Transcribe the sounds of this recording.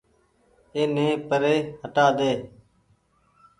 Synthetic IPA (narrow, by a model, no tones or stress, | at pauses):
eːnẽːpəɾeːhəʈaːd̪eː